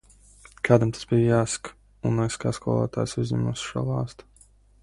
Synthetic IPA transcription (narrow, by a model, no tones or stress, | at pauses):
kʰaːd̪amt̪ʰḁsbijjaːsḁk | unːaskaːskuɔlˠa̰ːt̪a̰ːjsuzʲɲʲɛ̰musʃṵːlˠɑːst̪u̥